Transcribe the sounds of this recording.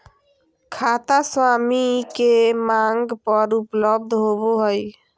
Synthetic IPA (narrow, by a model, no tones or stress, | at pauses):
kʰaːt̪aswaːmikemaŋɡpəɾupləb̚d̪ʱɦoboɦəj